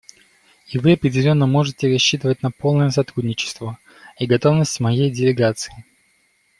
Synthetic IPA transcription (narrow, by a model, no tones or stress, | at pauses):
ɪvɨɐpɾʲɪdʲɪlʲo̞nːəmo̞ʐɨtʲɪɾɐɕːit̪ɨvət̚ʲnɐpo̞lˠnəjəsɐt̪ɾudʲnʲɪt͡ɕɪ̥st̪və | iɡɐt̪o̞vnəsʲtʲmɐjejdʲɪlʲɪɡat̪sɨ̥ɪ